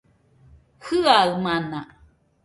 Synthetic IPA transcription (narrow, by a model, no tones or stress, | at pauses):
hɯaɯmana